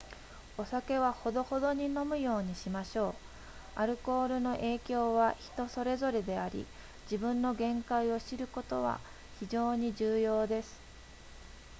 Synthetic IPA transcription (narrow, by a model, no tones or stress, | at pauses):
o̞sake̞βaho̞d̪o̞ho̞d̪o̞ɲ̟ino̞mɯ̟jo̞ːɲ̟iɕimaɕo̞ː | aɾɯ̟ko̞ːɾɯ̟no̞ʔe̞ːkʲo̞ːβ̞açi̥t̪o̞so̞ɾe̞zo̞ɾe̞d̪e̞aɾʲḭ | d͡ʑibɯ̟̃nːo̞ɡẽ̞ŋkaio̞ɕiɾɯ̟ko̞t̪o̞βa̰ | çid͡ʑo̞ːɲ̟id͡ʑɨːjo̞ːd̪e̞sɨ̥